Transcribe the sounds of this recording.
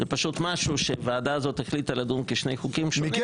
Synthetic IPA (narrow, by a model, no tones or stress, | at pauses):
zepaʃut̪maʃuʃeveːd̪azo̞t̪heχlit̪alad̪unkeʃnejχukimʃni